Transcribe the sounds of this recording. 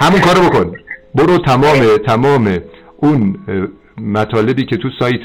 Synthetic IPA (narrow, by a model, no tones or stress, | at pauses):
hæmuŋkʰɒːɾobo̞kʰonboɾot̪ʰæmɒːme̞t̪ʰæmɒːme | ʔun | mæt̪ʰɒːle̞biːcʰe̞t̪ʰusɒːjt̪ʰ